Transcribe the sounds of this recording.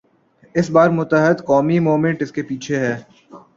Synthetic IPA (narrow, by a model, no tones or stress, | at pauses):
ɪsbaːɾmʊt̪əɦɪd̪kɔːmimoːmẽɳʈɪskepiːt͡ʃʰeɦɛː